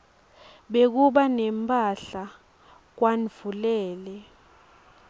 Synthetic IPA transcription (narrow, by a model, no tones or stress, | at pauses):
ɓek̬uɓanɛmpʼaɬa | k̬wanv̥ulɛːlɛ